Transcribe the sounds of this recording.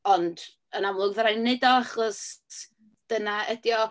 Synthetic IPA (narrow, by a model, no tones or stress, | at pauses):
ɔnd | ənamlʊɡvɾajnɛdɔaχɔs | d̥ənaʔədjɔ